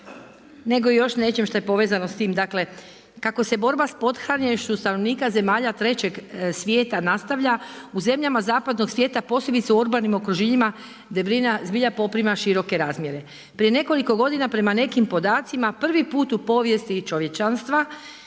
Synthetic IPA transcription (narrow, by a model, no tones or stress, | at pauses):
ne̞ɡojo̞ʃne̞t͡ʃemʃt̪ojepo̞ʋezano̞st̪iːmd̪akle̞ | kako̞se̞bo̞ɾbaspo̞d̪xɾaɲeʃt͡ʃust̪ano̞ʋniːkaze̞maːʎat̪ɾe̞t͡ɕe̞ɡsʋʲje̞ːt̪anast̪aʋʎauze̞mʎamazaːpad̪no̞ɡsʋje̞ːt̪apo̞sle̞bit̪seuɾbanimo̞kɾuʒiɲima | d̪ebɾinazbiʎapo̞pɾimaʃiɾo̞ke̞ɾaːzmje̞ɾe̞ | pɾije̞ne̞ko̞liko̞ɡo̞d̪inapɾe̞mane̞kimpo̞d̪aːt̪simapr̩ʋipuːt̪upo̞ːʋje̞st̪it͡ʃo̞ʋje̞t͡ʃanst̪ʋa